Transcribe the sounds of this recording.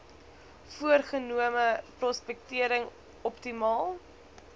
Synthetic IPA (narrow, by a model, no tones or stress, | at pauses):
fuərχənuəməprɔspɛk̚tiəɾəŋ | ɔptimɑːlˠ